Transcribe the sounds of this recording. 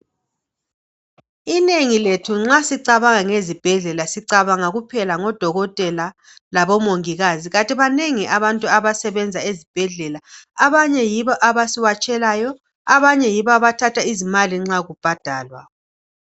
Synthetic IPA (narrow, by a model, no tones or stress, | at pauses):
ineŋiletʰuŋ͡ǁasiǀaβaŋaŋezib̥ʱɛɮɛlasiǀaβaŋaɣupʰɛlaŋɔd̥ʱɔɣɔtʼɛla | laβɔmoŋiɣaziɣatʼiβaneŋiʔaβantʼuaβasɛβɛnd͡zʱaezib̥ʱɛɮɛlaaβaɲɛjiβɔʔaβasiwat͡ʃʼɛlaːjɔ | aβaɲɛjiβɔaβatʰatʰaizimaliŋ͡ǁaɣub̥ʱad̥ʱaːlwa̰